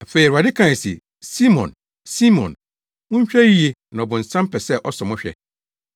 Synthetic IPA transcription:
a˨fe˨i˨ɾa˨dɪ˦kʰã˦˨si˨ | si˦mɔ̰̃˨n | si˦mɔ̰̃˨n | ʊ̃˦ɲ̩˦ɕᶣæ˦ji˦e˦nã˨ɔ˨bʊ̃˨n̩˨sã˦m˦pʰɛ˨sɛ˦˨ʔɔ˦sɔ̃˨mʊ̃˦ɕᶣɛ̰˨

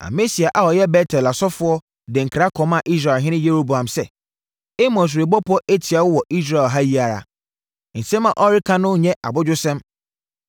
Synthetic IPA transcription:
a̰˨me˦si˨a˨ʔa˨wɔ˨jɛ˦bɛ˦tʰɛ˨la˨sɔ˦fʊ˦ɔ˦ | dɪ̃˨ŋ̩˨kʰɾa˦kʰɔ̃˨˦mã˨ʔi˦s̬ɾa˨lɦɪ̃˦nɪ̃˦je˦ɾo˦bu˨ã˨msɛ˨ | e˦mɔ̃˨s̬ʊ˨ɾe˨bɔ˦pʰʊ˦ɔ˦ʔe˦tʰɪ˨a˨wʊ˦wɔ˨i˦s̬ɾa˨ɛ˨lɦa˦ji˦a˨ɾa̰˨ | n̩˨sɛ̃˦mã˨ʔɔ˦ɾɪ˦kʰã˦nʊ̃˦ɲɛ̃˦ʔa̰˨bʊ˦d͡ʑʊ˦sɛ̃˦m

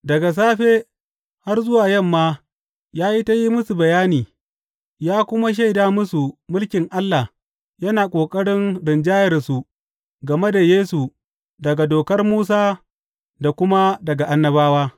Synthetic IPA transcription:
dɐ˨ɡa˨s̬aː˦ɸeː˦ | ha˦rzʊ˦waː˨jɐ˦˨mːaː˦ | jaː˦ji˦ta˦ji˦mʊ˦su˨bɐ˨jaː˦niː˨ | jaː˦kʷʊ˦ma˦ʃ̬a˦˨jdaː˦mʊ˦su˨mʊ˦lkʲɪ˨ŋʔa˦lːa˨ | jɐ˦naː˨kʷʼoː˨kʼɐ˦ɽɪ˦nɽɪ˨nd͡ʒaː˦jɐ˨rsu˨ | ɡɐ˨me˦da˨jeː˦su˨ | dɐ˨ɡa˨doː˨kɐ˦rmuː˦s̬aː˦ | da˨kʷʊ˦ma˦dɐ˨ɡa˨ʔa˦nːɐ˦βaː˦waː˦

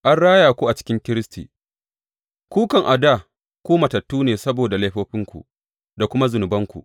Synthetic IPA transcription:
ʔa˦nɽaː˦jaː˨kʷu˦ʔa˨t͡ʃɪ̥˦kʲɪ˦ŋkʲɪ˦ɾɪ˦stḭː˨ | kʷuː˦kɐ˨ŋʔa˨da˦˨ | kʷuː˦mɐ˨tɐ˨tːuː˦neː˨sɐ˦boː˨da˨lɐ˦ɸoː˦ɸɪ˦ŋkʷṵ˨ | da˨kʷʊ˦ma˦zʊ˨nʊ˨bɐ˦ŋkʷṵ˨ʔ

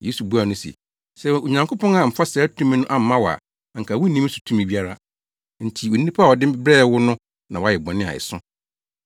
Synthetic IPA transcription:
je˨˦su˨bu˦a˨nʊ̃˦sɛ̰˨ | sɛ˨˦˨o˨ɲã˨ŋkʰo˦pɔ̃˦ŋa˨m̩˨fa˦sɛ˨˦tʰũ˦mĩ˦nʊ̃˦ʔa˦m̩˨˦mã˦wɔ˨a̰˨ | a˨ŋ̩˨kʰa˨wu˦nĩ˦su̥˨tʰũ˦mĩ˨bi˦a˦ɾa˦ | n̩˨tʰi˨o˨n˦ĩ˦pʰa˦˨wɔ˨dɪ̃˦m˦bɾɛː˦wʊ˦nʊ̃˦ | nã˨wɔ˨a˦jɛ˨bɔ̃˨nɪ̃˦a̰˨ɪ̰˨sʊ̃˦

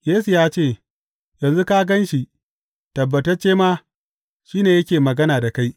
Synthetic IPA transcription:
jeː˦su˨jaː˦t͡ʃeː˦˨ | jɐ˨nzu˦ka˦ɡɐ˦nʃi˨ | tɐ˨bːɐ˨tɐ˦rt͡ʃeː˦maː˦ | ʃiː˦neː˨jɐ˦kʲeː˨mɐ˨ɡɐ˦naː˨da˨ka˦j

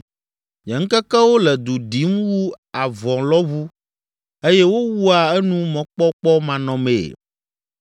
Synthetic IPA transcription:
ɲɛ˨ŋ̩˦kɛ˦kɛ˦wo˦lɛ˨d̪u˨ɖi˨˦mwu˦a˨vɔ̃˨lɔ˦βu˦ | e˦jɛ˦wo˦wu˦a˨ɛ˦nũ˦mɔ̃˨˦k͡pɔ˦k͡pɔ˦mã˨nɔ̃˨mḛ˨

